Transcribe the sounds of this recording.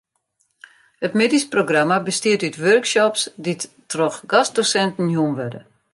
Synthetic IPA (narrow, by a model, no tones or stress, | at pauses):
hətmedisproɡramabəstiətytʋørksɔpsdit | trɔxɡasdosɛntn̩juəmʋødə̰